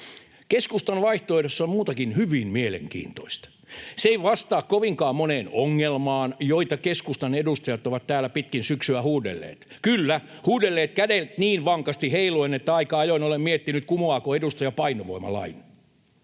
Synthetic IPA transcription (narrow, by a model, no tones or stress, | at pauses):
keskust̪ɑnʋɑiht̪oidesːommuːt̪ɑkinhyʋimmielḛŋkḭːnt̪oist̪ɑ̥ | seiʋɑst̪ɑːkkoʋiŋkɑːmmoneːnoŋːelmɑːnjoit̪ɑkeskust̪ɑnedust̪ɑjɑt̪oʋɑt̪t̪æːlæpit̪̚kinsyksyæhuːdḛlːḛːt̪ | kylːæhuːdelːeːt̪̚kædelt̪niːnʋɑŋkɑst̪iheiloenet̪ːæɑikɑɑjoinolemmiet̪ːinyt̪kumoɑːkoedust̪ɑjɑpɑinoʋo̰imɑ̰lɑ̰in